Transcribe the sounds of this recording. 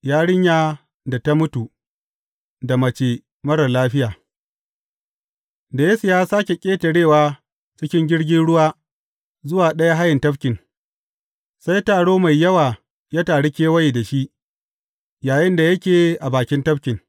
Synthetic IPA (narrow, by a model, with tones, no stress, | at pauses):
jaː˦ɽɪ˦ɲjaː˦ | da˨ta˦mʊ˦tu˨ | da˨mɐ˨t͡ʃeː˨ | mɐ˦ɽɐ˨laː˦ɸɪ˦jaː˨ | da˨jeː˦su˨jaː˦saː˦kʲe˨kʲʼeː˦tɐ˨ɽeː˦˨waː˦ | t͡ʃɪ˦kʲɪ˦ŋɡʲɪ˦ɽɡʲɪ˦nɽʊ˦waː˦ | zʊ˦waː˨ɗɐ˦ja˦ɦa˦jɪ˨ntɐ˦ɸkʲɪ˨n | sa˦jtaː˨ɽoː˦ma˨jːɐ˦waː˨ | ja˦taː˨ɽɪ˦kʲeː˦wɐ˦ji˨da˨ʃi˦ʔ | jaː˨jɪ˦nda˨jɐ˦kʲeː˨ʔa˨baː˨kʲɪ˦ntɐ˦ɸkʲɪ˨ŋ